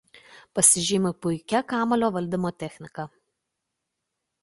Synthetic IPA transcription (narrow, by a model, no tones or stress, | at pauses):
pɐsʲɪʒʲɪmʲɪpʊɪkʲɛkɑːmɐlʲoːʋɐlʲd̪ʲɪmoːt̪ʲɛxʲnʲɪkɐ